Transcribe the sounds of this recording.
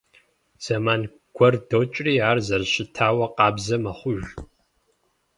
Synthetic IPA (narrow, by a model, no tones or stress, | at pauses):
z̥ɐmaːn | ɡ̥ʷʰɔrdoːt͡ʃʼriːaːrzɐrɕɪtʰaːwɐqɑːbzɐmɐχʷʊʒ